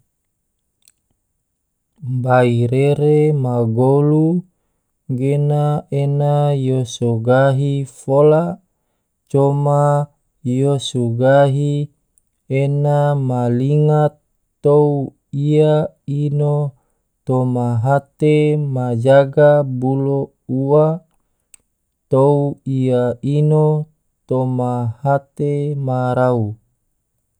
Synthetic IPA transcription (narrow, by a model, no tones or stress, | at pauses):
baiɾeɾemaɡolu | ɡenaenajosoɡaɦifola | t͡ʃoma | josuɡaɦi | enamaliŋat̪ː | ou | ia | ino | t̪omaɦat̪emad͡ʒaɡabulo | uwa | t̪ouiaino | t̪omahat̪emaɾau